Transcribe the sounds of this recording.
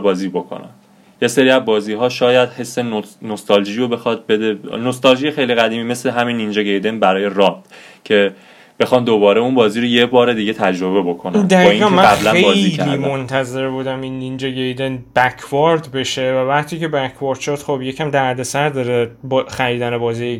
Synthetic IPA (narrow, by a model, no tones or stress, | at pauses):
bɒːziːbo̞kʰo̰næ̰n | je̞seɾiːæzbɒːziːɦɒːʃɒːjæd̪̥he̞sːe̞nonost̪ʰɒld͡ʒiɾobe̞xɒd̪̚bed̪eno̞st̪ɑlʒijexejliɣæd̪iːmiːme̞sleɦæminːind͡ʒeɡejd̪e̞nbæɾɒːje̞ɾɒt̪ | cʰe̞ | b̥e̞xɒːnd̪obɒːɾeunbɒːziːɾojebɒːɾe̞d̪iɡe̞t̪ʰæd͡ʒɾo̞be̞bo̞kʰond̪æɾĩæmææblæeɒːjiliːmo̞nt̪ʰæze̞ɾbuːd̪æminːind͡ʒeɡejd̪enbækʰvɒɾd̪be̞ʃe̞vævæʁt̪ʰiːce̞bækʰvɒɾd̪̥ʃod̪̥χobje̞cʰæmd̪æɾd̪e̞sæɾd̪ɒːɾebxæɾiːd̪ænebɒːziːe